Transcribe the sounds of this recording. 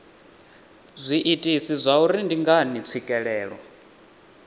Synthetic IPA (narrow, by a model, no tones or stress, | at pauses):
zʷiʔitʼisizʷauɾindiŋɡanit͡sʰikʼɛɺɛːɺwɔ